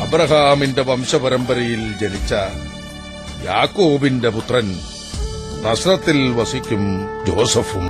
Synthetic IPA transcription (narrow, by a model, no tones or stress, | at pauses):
ɐbɾɐɦaːmɪndɐʋɐmʂɐpɐɾɐmbɐɾɐjɪld͡ʒɐnɪt͡ʃːɐ | jaːkːoːbɪndɐpʊt̪rɐn | nɐsɾɐt̪ːɪlʋɐsikʲːɯmd͡ʒoːsɐfum